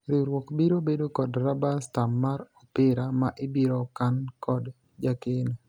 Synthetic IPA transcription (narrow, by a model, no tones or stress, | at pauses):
ɾɪɾwɔkbiɾobedokɔdɾabastamːaɾɔpɪɾamaʔebiɾɔkankʰɔd | d͡ʒaken